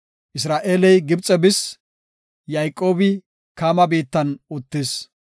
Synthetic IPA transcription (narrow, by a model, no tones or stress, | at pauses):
ʔɪs̬ɾaːʔeːlɛjɡɪbt͡sʼɛbɪs | jajkʼːo̞ːbɪ | kaːmɐbiːt̪ːɐnʊt̪ːɪs